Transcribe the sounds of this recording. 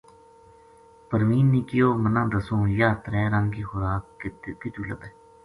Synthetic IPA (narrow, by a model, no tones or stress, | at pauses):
pəɾmiːnːiːkɪjoːmənãːd̪əsõːjaːt̪əɾɛːɾə̃ŋɡiːxʊɾaːk̪̚kɪt̪uːləbɛː